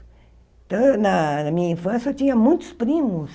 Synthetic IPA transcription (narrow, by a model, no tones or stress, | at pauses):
t̪ənamiːfensot͡ʃiãmũnt͡ʃu̥spɾimus